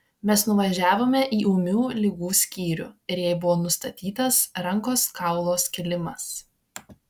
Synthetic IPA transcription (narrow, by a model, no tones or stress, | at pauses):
mʲɛsnʊʋɐʒʲæːʋoːmʲɛʔiːʔuːmʲuːlʲɪɡuːsʲkʲiːɾʲṵːɪɾjɛɪbʊʋoːnʊst̪ɐt̪ʲiːt̪ɐsɾɐŋˑkoːskɐˑʊlˠoːskʲɪlʲɪmɐs